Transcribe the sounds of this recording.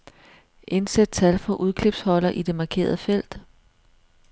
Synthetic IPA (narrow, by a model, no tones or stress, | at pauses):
ʔe̝nsed̥̚t͡sʰælfɒ̽ʔuð̞ˠkʰle̝b̥shɒ̽lɐʔid̥e̝mɑ̈kʰe̝̰ːɐð̞ˠəfel̰d̥